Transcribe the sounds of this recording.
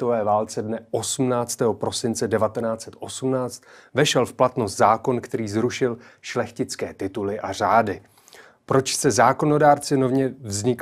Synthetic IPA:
ovɛːvaːlt͡sɛdnɛʔosumnaːt͡st̪ɛːɦo̞pɾo̞sɪnt͡sɛdɛvat̪ɛnaːt͡sɛt̪ʔo̞sumnaːt͡st̪vɛʃɛlfplat̪no̞st̪zaːko̞nkt̪ɛɾiːzɾuʃɪl | ʃlɛxcɪt͡skɛːt̪ɪt̪ulɪʔar̝aːdɪ | pɾo̞t͡ʃsɛzaːko̞no̞daːɾt͡sɪnovɲɛvzɲɪk

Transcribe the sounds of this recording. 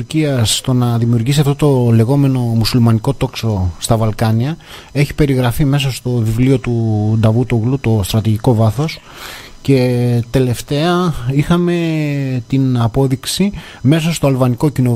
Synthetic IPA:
ɾciɐsːt̪o̞nɐðimiuɾʝisiɐft̪ot̪o̞le̞ɣo̞me̞no̞musulmɐniko̞t̪o̞kso̞st̪ɐvɐlkɐniɐ | e̞çi̥pe̞ɾiɣɾɐfime̞s̬ɐst̪o̞vivlio̞t̪ud̪ɐvut̪oɣlut̪o̞st̪ɾɐt̪iʝiko̞vɐθo̞s | ce̞t̪e̞le̞ft̪e̞ɐixɐme̞t̪inɐpo̞ðiksi | me̞s̬ɐst̪oɐlvɐniko̞cino

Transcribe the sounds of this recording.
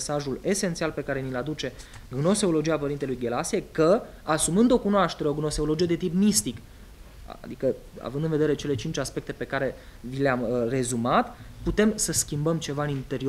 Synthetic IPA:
saʒule̞sent̪sialpe̞kaɾe̞nilad̪ut͡ʃe̞ | ɡno̞seolo̞d͡ʒiapəɾint̪e̞lujɡe̞lasiekə | asumɨnd̪o̞kunoaʃt̪e̞ɾeo̞ɡno̞seolo̞d͡ʒije̞d̪e̞t̪ipmist̪ik | d̪ikə | a̰vɨnd̪ɨnved̪eɾe̞t͡ʃe̞le̞t͡ʃint͡ʃaspe̞k̚t̪e̞pe̞kaɾe̞ | vileamre̞zumat̪put̪e̞msəskʲimbəmt͡ʃe̞vaɨnint̪e̞ɾio

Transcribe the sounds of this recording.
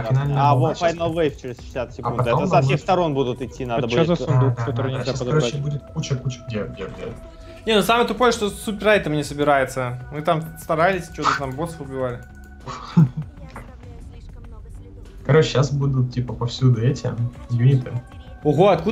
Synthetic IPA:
fɪnalʲnəvofajnovejft͡ɕɪɾʲɪzʃɪ̥sʲat̪sʲɪkɐunɐt̪dɛosɐfsʲexst̪ɐɾo̞nbud̪ʊt̪ɪtʲːinad̪əoaɐd̪oɕʲaskɐɾot͡ɕːɪbudʲɪt̪̚kut͡ɕɪkut͡ɕɪɡdʲedʲedʲḛ | nʲenusaməjt̪ʊpo̞jəʂt̪osupʲɪrajʲt̪amnʲɪsəbʲɪɾajɪt̪səmɨt̪amst̪ɐɾalʲɪsʲt͡ɕot̪ət̪ambo̞t̪səfbʲɪvalʲɪ | kɐɾot͡ɕɪɕːasbud̪ʊt̪̚tʲipəpɐfsʲud̪ʊɛtʲɪ̰juɪt̪ɨʊɣo̞ɐt̪ku

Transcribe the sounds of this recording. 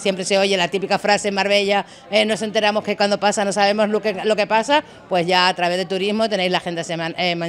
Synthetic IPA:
sje̞mpɾe̞se̞o̞ʝelat̪ipikafɾase̞maɾβe̞ʎa | eno̞se̞nt̪e̞ɾamo̞ske̞kwand̪o̞pasano̞saβ̞e̞mo̞zlokelo̞ke̞pasa | pwe̞zʝaːt̪ɾaβe̞ðet̪uɾizmo̞t̪e̞ne̞jzlaxe̞nd̪asemanema

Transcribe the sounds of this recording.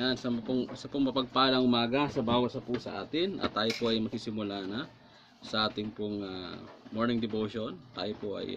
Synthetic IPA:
jansɐmɐpʊŋsɐpʊŋmɐpɐɡ̚paːlɐŋʔʊmaːɡɐsɐbaːwɐsɐpusɐ̰ʔa̰ːt̪ɪnʔɐ̰t̪ːaːjopoʔɐjmɐɡ̚sisɪmʊlanɐ | sɐʔaːt̪ɪŋpʊŋa̰moɹnɪŋd̪ɪbowʃo̞nt̪a̰ːjopoʔɐ̰j

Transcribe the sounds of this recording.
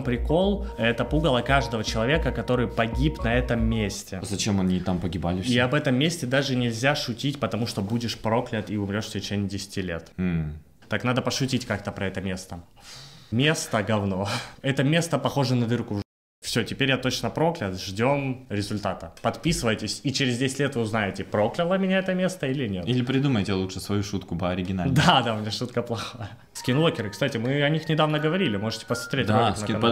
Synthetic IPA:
mpɾʲɪko̞lˠɛt̪əpuɡəlˠəkaʐd̪əvət͡ɕɪlˠɐvʲe̞kəkɐt̪o̞ɾɨjpɐɡʲipnɐɛt̪əmːʲesʲtʲɪzɐt͡ɕemɐnʲit̪ampəɡʲɪbalʲɪfiɐbɛt̪əmːʲesʲtʲɪd̪aʐɨnʲɪlʲzʲaʂʊtʲitʲpət̪ɐmuʂt̪o̞budʲɪʂpɾo̞klʲət̪iʊmɾʲo̞ʂtʲɪt͡ɕenʲɪjdʲɪsʲɪ̥tʲilʲe̞t̪m̩ | t̪aknad̪əpəʂʊtʲitʲkak̚t̪əpɾɐɛt̪əmʲe̞st̪ə | mʲe̞st̪əɡɐvno̞ɛt̪əmʲe̞st̪əpɐxo̞ʐɨnəd̪ɨrku | fsʲotʲɪpʲeɾʲjat̪o̞t͡ɕnəpɾo̞klʲɪt̪ʐdʲo̞mɾʲɪzʊlʲt̪at̪əpɐt̪pʲisɨvəjtʲɪsʲit͡ɕɪɾʲɪzdʲesʲɪtʲlʲet̪vɨʊznajɪtʲɪpɾo̞klʲɪlˠəmʲɪnʲaɛt̪əmʲe̞st̪əilʲɪnʲe̞t̪ilʲɪpɾʲɪd̪uməjtʲɪlˠuʂɨsvɐjuʂut̪kʊpəɐɾʲɪɡʲɪnald̪ad̪aʊmɪnʲaʂut̪kəplˠɐxajə | skʲinvˠokʲɪɾɨkst̪atʲɪmɨɐnʲixnʲɪd̪avnəɡəvɐɾʲilʲɪmo̞ʐɨtʲɪ̥pəsmɐt̪ɾʲet̪ʲatʲnəɐn

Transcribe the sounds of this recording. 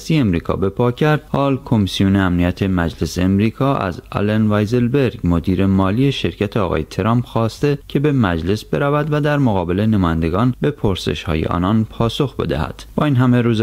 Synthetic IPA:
st̪ieemɾiːkʰɒ̰ːbe̞pʰɒːcʰæɾd̪̥hɒːlkʰo̞misijoneæmnijæt̪ʰe̞mæd͡ʒle̞seːmɾiːkʰɒːʔæ̰zɒ̰lenvæjzelbe̞ɾɡmo̞d̪iːɾe̞mɒːliːe̞ʃe̞ɾcʰæt̪ʰeɒːɣɒ̰ːjet̪ʰeɾɒːmpxɒːst̪ecʰe̞be̞mæd͡ʒle̞sb̥e̞ɾævæd̪væd̪æɾmoɣɒːbe̞le̞nemɒːjænd̪e̞ɡɒːnbe̞pʰoɾsḛʃhɒ̰ːjḛʔɒ̰ːnɒnpʰɒːso̞xbe̞̰d̪æ̰hæ̰d̪̥b̥ɒːiːnɦæmeɾuːz

